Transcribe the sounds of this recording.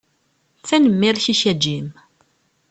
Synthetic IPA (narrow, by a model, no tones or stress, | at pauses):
t͡sːænəmːiɾçiçæd͡ʒːim